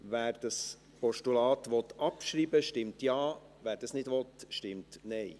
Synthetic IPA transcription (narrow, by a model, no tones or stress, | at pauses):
væːɾd̥ɑs | pɔʃtulɑːt̪ʋɔt̪ːɑpʃɾiːbəʃtɪmtjɑː | væːɾd̥ɑsnɪdʋɔt̪ʃtɪmtnɛɪ